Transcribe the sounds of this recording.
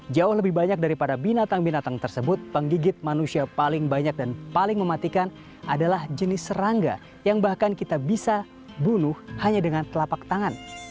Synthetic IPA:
d͡ʒaʊhləbɪhbaɲak̚daɾipadabinat̪aŋbinat̪aŋt̪ərsəbʊt̪̚pəŋɡiɡɪt̪̚manusiapalɪŋbaɲak̚danpalɪŋməmat̪ikan | ʔadalahd͡ʒənɪsəɾaŋɡa̰ | jaŋbahkankit̪abisa | bunʊhhaɲadəŋant̪əlapak̚t̪aŋan

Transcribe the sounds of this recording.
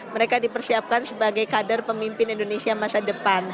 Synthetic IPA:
məɾekadipərsiap̚kansəbaɡajkadərpəmimpɪnindonesiamasadəpan

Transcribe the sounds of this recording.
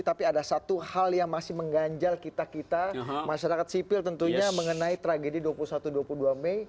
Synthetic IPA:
t̪apiadasat̪uhaljaŋmasɪhməŋɡaɲd͡ʒalkit̪akit̪amaʃaɾakat̪̚sipɪlt̪ənt̪uɲɲaməŋənait̪ɾaɡediduapulusat̪uduapuluhduamɛj

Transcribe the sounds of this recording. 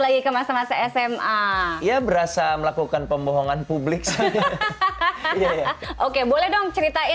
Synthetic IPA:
laɡikəmasamasaɛsɛmaiabəɾasaməlakukanpəmboɦɔŋanpublɪk̚s | ʔokebolɛhdɔŋt͡ʃəɾit̪ai

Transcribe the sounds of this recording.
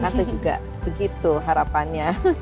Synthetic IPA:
kat̪əd͡ʒuɡa̰ | b̥əɡit̪uɦaɾapanɲa

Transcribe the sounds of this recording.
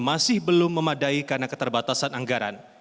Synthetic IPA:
masɪhbəlʊmːəmadaikarnakət̪ərbat̪asanaŋɡaɾa̰n

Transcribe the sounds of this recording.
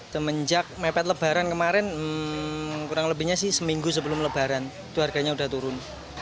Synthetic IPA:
t̪əməɲd͡ʒak̚mepɛt̪̚ləb̥a̤ɾankəmaɾɪn | kuɾaŋləbihɲasɪhsəmiŋɡus̬əbəlʊmləb̥a̤ɾanit̪uɦarɡa̤ɲauda̤ht̪uɾʊn

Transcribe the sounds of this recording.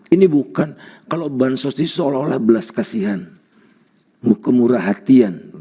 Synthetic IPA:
inibukankalobansɔsisololahbəlaskasiɦan | mukəmuɾaɦat̪ian

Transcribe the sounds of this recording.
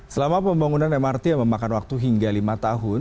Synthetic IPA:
səlamapəmbaŋunanɛmart̪iaməmakanwak̚t̪uɦiŋɡalimat̪aɦʊn

